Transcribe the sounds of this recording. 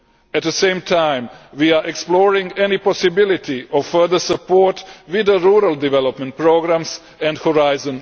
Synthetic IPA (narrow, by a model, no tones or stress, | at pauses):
æt̪ðəsẽɪ̃mtʰãɪ̃mwiaɹʔɛksplɔːɹɪ̃ŋɡɛnipɔsɪbɪlɪtiɔvfɜ˞ðə˞səpɔɹtwɪðəɹuɾəlˠdɪvɛlˠɔpmɛ̃nt̚pɹoɡɹãms | ɛ̃ndhɔɹaɪzɔ̃n